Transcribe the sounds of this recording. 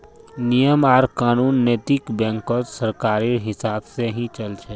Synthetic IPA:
nijəmaːɾkaːnuːnːeːt̪ɪkbɛ̃ːŋkotsəɾkaːɾiɦɪsaːbseɦĩt͡ʃəlt͡ʃʰɛ

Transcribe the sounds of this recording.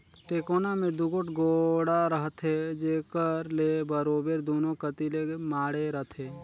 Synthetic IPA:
ʈeːkoːnamẽd̪ʊɡoʈɡoːɽaɾəɦt̪ʰed͡ʒeːkəɾlebəɾoːbeɾd̪oːnõkət̪ilemaːɽeɾəɦt̪ʰe

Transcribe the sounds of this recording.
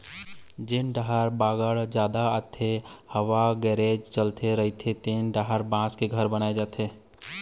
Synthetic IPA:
d͡ʒenɖaɦəɾbaːɡəɭd͡ʒjaːd̪aət̪ʰːehəʋaɡɛːɾeːd͡ʒt͡ʃəlt̪ʰeɾəɦit̪ʰet̪eːnɖaɦəɾbãːskeɡʱəɾbənaːed͡ʒaːt̪ʰeː

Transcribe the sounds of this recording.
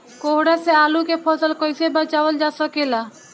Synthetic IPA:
koɦɽɛseaːlukepʰɔsəlkɔjsebət͡ʃaːʋəld͡ʒasɔkela

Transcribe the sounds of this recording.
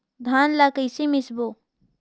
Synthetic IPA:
d̪ʱaːnlakəjsimisbo

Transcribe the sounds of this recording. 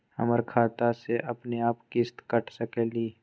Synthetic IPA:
hə̰məɾkʰaːt̪aseʔɐpneaːpkɪst̪kəʈʰsəkɛːliː

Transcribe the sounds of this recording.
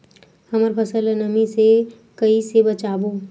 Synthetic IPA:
hɐməɾpʰəsələnəmise | kɐisebɐt͡ʃaːboː

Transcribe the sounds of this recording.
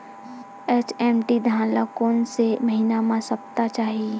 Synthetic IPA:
eːt͡ʃɛːmʈid̪ʱãːlakoːnseməɦinamãsɐp̚t̪at͡ʃaːɦie

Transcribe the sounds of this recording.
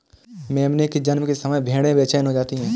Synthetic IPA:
mɛ̃ːɐmneked͡ʒɐnmkesɐməjbʱeːɽẽbɛːt͡ʃaːɪnɦod͡ʒaːt̪iɦɛ̃ː

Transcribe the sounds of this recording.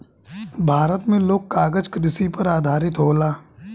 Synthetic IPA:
bʱaːɾət̪mẽloːkkaːɡəd͡ʒkɾɪsipəɾaːd̪ʱaːɾɪt̪ɦoːlaː

